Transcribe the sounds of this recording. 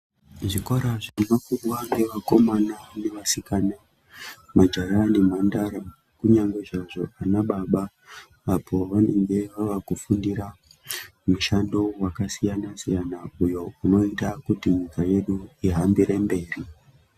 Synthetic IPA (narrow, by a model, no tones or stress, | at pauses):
ʐikoɾaʐemakurwaŋɡeʋako̞manane̞ʋasikaːna | mad͡ʒaɾane̞mandaɾa | kuɲaŋɡe̞ʐaʐo̞anaɓaɓa | ʋabʱoʋane̞ŋɡe̞ʋaʋakufundiɾa | muʃando̞wakasijanasijanaujo̞uno̞itakutiɲikaje̞ɗuiɦambiɾe̞mbe̞ːri